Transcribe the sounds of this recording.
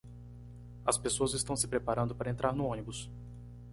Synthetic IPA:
ɐspesoɐzɪst̪ɐ̃w̃sɪ̥pɾepaɾɐ̃nd̪ʊpaɾɐẽnt̪ɾaɾnʊõnibʊs

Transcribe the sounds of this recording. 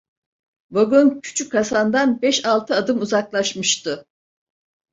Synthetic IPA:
voɡoncʰy̥t͡ʃʰykʰːasand̪anbɛʃalˠt̪ʰɯad̪ɯmuzaklˠaʃmɯʃt̪ʰɯ

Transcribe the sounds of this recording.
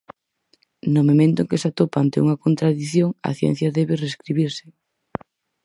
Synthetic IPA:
nomomẽnt̪ʊeŋkesat̪opaant̪euŋɐkont̪ɾaðiθjoŋɐ̰θjɛ̰n̟θjɐðɛβɪreskɾiβiɾsɪ̥

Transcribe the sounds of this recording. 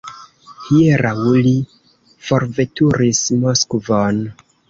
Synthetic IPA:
hieɾʔawuli | fo̞ɾve̞tuɾismoskvon

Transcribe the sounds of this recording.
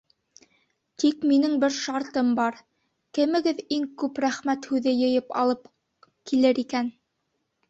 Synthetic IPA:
t̪ikminɘŋbɘɾʃɑɾt̪ɤmbɑɾ | kɘ̆mɘ̆ɡɘðiŋkʉpɾæχmæt̪hʉðɘjɤ̆jɤpɑ̰lˠɤp | kilɘɾikæn

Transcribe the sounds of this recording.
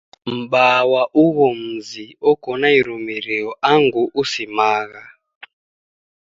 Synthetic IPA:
m̩ɓawaʔuɣɔm̩ziɔkɔnaiɾumiɾijɔʔaŋɡuʔusimaːɣa

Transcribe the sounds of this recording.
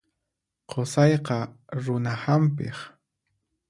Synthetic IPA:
qʰosɑjqɑ | ɾʊnahampɪ̰χ

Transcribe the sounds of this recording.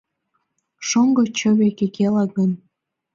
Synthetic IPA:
ʃoŋɡɤ̆t͡ɕəβekekelɑɡən

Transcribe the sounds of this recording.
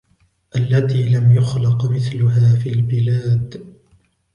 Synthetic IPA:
ʔalːat̪iːlamjʊxlɪqmɪθlʊɦaːfilbɪlaːd̪

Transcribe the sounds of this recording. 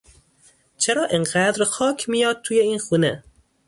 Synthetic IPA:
t͡ʃʰeɾɒːʔenɢæd̪ɾxɒːkʲʰmijɒːd̪̚t̪ʰuːjeiːnxuːne

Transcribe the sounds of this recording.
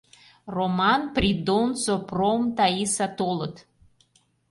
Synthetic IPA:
romɑnprʲid̪onsopromt̪aisat̪olˠət̪

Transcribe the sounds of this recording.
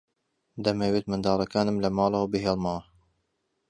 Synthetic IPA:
d̪ɐmeweːt̪mɨnd̪ɑːɾˤɑkaːnɨmlɐmɑːlˠɐwbɨɦeːlˠmɐwɐ

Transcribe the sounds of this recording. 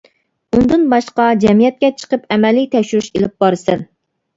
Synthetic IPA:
und̪ɨnbɑʃqɑd͡ʒɛmijɛt̪̚kʲɛt͡ʃʰə̥qəpɛmɛlit̪ʰɛʃyɾyʃelɪp̚bɑɾɨsɪn

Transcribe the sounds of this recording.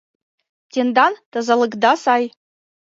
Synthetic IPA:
tʰend̪antazalɨɡd̪asaj

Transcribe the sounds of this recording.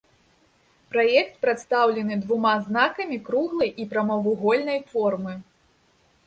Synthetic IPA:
pɾajɛkt̪̚pɾat̪st̪awlʲɛnɨd̪vumaznakɐmʲikɾuɣlˠɐjʔipɾamɔvɨɣɔlʲnɐjfɔrmɨ

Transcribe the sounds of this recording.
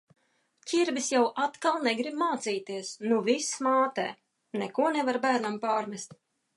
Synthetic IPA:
cʲiɾvisjawʔat̪kalˠnɛɡɾibmaːt̪siːt̪iɛsnuvismaːt̪ɛ̰ː | nɛkuɔnɛvaɾbæːɾnampaːɾmʲɛst̪ʲ

